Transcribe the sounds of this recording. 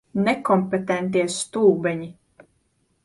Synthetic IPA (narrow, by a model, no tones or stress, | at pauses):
nekɔmpet̪ɛnt̪̬iɛst̪uːbɛɲi